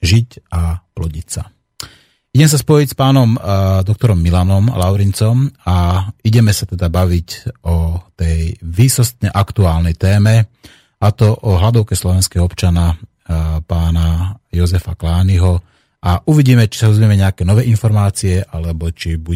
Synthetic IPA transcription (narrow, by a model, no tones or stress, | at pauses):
ʒicaplɔɟicsa̰ | iɟɛmɛs̬aspɔjicspaːnɔmd̪ɔk̚t̪ɔɾɔmːilanɔmlaʊɾint͡sɔmaiɟɛmɛsat̪ɛd̪abaʋicʔɔt̪ɛjʋiːsɔst̪ɲɛʔakt̪uaːlnɛjt̪ɛːmɛ | at̪ɔʔɔɦlad̪ɔʊkɛslɔʋɛnskɛːɦɔɔpt͡ʃana | paːnajɔzɛfaklaːniɦɔ | ʔaʔuʋiɟiːmɛt͡ʃi̥sad̪ɔzmiɛmɛɲɛakɛːnɔʋɛːʔinfɔɾmaːt͡siɛʔalɛbɔt͡ʃibu